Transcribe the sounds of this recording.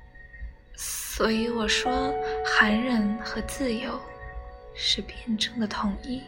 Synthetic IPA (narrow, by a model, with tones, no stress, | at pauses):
swɔ˧˥i˧˥wɔ˨˩ʂwɔ˥xa˧˥nɻə˧˥nxɤ˧˥t͡sɹ̩˥˩jo˧˥ʊ | ʂɻ̩˥˧pjɛ˥˩nʈ͡ʂɤ˥˩ŋd̪ə˩t̪ʰʊ˧˥ŋi˥˩